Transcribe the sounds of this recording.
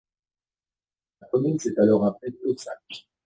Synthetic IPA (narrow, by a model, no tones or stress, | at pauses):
lakɔmynsɛt̪alɔʁɛ̃pɛt̪øsakʒ